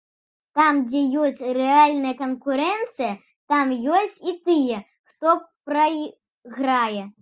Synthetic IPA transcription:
t̪amd͡zʲɛjɔsʲt͡sʲrɛalʲnɐjɐkɐnkuɾɛnt̪sɨjɐ | t̪amjɔsʲt͡sʲit̪ɨjɛ | xt̪ɔpɾɐ | ɣɾajɛ

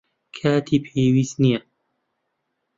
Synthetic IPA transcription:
kʰaːt̪ʰiːpʰeːwiːst̪nijɛ

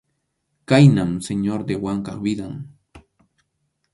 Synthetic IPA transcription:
kajnamseɲoɾd̪ewaŋkɑχbɪd̪aŋ

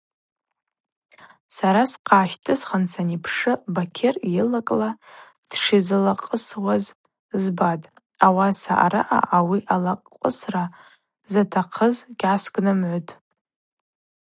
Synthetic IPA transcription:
saɾasqʰaːʃtʰʼɨsχant͡sʰanipʰʂɨbakʲʰerɪlakʼla | d̥ʂizɨlaqʼəswaz | zbatʼ | awasa̰ʔa̰ɾaʔa̰ʔawiʔalaqʷʼəsra | zatʰaqʰəzɡʲʕasɡʷʼnɨmʕʷʊtʼ

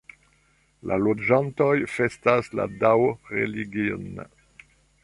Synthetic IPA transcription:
lʔa̰lod͡ʒantojfestasla̰dawʁḛliɡio̰n

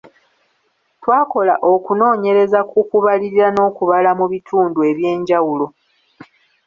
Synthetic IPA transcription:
twaːko̞la̰ʔo̞kuno̞ːɲe̞ɾe̞zakukuβaliɾiɾano̞ːkuβalamuβitʰuːndue̞βje̞ːɲɟawulo̞

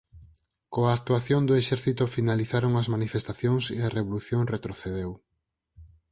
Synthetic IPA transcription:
koaːk̚t̪uaθjond̪oeʃɛɾθit̪ʊfinaliθaɾoŋɐzmanifest̪aθjoŋseɐreβoluθjoŋret̪ɾoθeðew

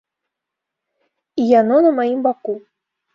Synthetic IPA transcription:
ijanɔnɐmajimbaku

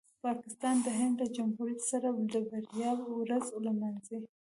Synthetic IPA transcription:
pɑkɪst̪ɑnd̪əɦɪɳɖləd͡ʒamhuɾjat̪saɾad̪əbaɾjɑwɾazlamanze

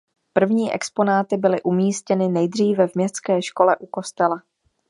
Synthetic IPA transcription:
pr̩vɲiːʔɛ̰kspo̞naːt̪ɪbɪlɪʔumiːscɛnɪnɛjdr̝iːvɛvmɲɛst̪t͡skɛːʃko̞lɛʔuko̞st̪ɛla

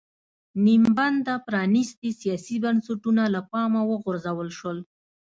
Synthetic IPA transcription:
nimband̪apɾɑnist̪isijɑsibansaʈunalapɑmawəɣʊɾzawəlʃwəl

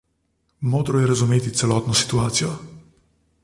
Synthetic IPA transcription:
moːd̪ɾɔjɛɾazumeːt̪it̪sɛlɔːt̪nɔsi̥t̪uaːt̪sijɔ

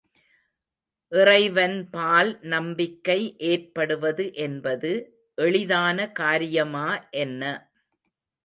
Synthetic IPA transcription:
ʔɪrɐɪʋɐnpaːlnɐmbɪkːɐɪʔeːrpɐɽɯʋɐðɯʔɛnbɐðɯ | ʔɛɭɪðaːnɐkaːɾɪjɐmaːʔɛnːɐ

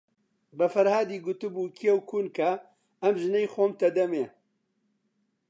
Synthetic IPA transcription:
bɐfɐɾhaːd̪iːɡʊt̪ɨbuːkʰijewkʰuːnkʰɐ | ɐmʒɨnɛjxoːmt̪ɐd̪ɐmeː

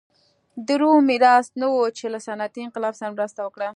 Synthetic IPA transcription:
d̪əɾumɪɾɑsnawot͡ʃelasanat̪iɪnqɪlɑbsaɾamɾəst̪awəkɽa

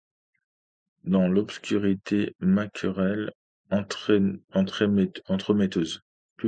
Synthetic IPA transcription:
d̪ɑ̃lɔpskʲʰyʁit̪ʰemakʲʰyʁɛl | ɑ̃t̪χɑ̃t̪χəmet̪øz | p

